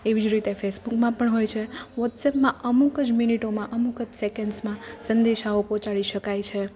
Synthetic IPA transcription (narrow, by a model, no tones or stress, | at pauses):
eʋid͡ʒɾit̪efʰesbukmãpəɳɦojt͡ʃʰeʋɔʈsɛpmãʔəmukəd͡ʒminiʈomãʔəmukəd͡ʒsekəɳɖsmãsənd̪eʃaopɔ̃t͡ʃaɭiʃəkajt͡ʃʰe